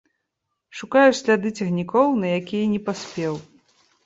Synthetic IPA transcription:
ʂukajusʲlʲad̪ɨt͡sʲɛɣnʲikɔwnɐjakʲijɐnʲɛpasʲpʲɛw

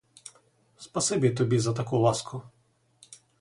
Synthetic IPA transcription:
spɐsɪbʲit̪ɔbʲizɐt̪ɐkulˠɑskʰʊ

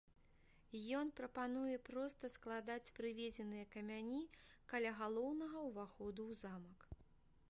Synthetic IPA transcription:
jɔnpɾɐpanujɛpɾɔst̪ɐsklˠad̪at͡sʲpɾɨvʲed͡zʲɛnɨjɐkɐmʲanʲikɐlʲaɣalˠɔwnɐɣɐwvaxɔd̪uwzamɐk

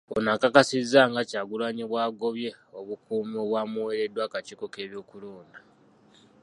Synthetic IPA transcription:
onakakasizːaŋɡacaːɡulwaɲiβwaːɡo̞βje̞oβukuːmoβwaːmuwe̞ɾe̞dwaːkat͡ʃiːko̞ke̞ːβjo̞ːkuloːnda

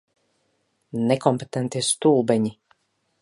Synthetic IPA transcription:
nekɔmpet̪ɛnt̪ist̪ulˠbɛɲi

